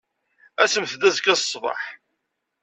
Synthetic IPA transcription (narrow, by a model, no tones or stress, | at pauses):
æsəmθðæzkːæssˤvɑ̰ħ